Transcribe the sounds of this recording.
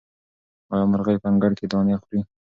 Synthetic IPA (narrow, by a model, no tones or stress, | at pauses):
ɑjɑmaɾɣajpaŋɡaɽked̪ɑnaxɾi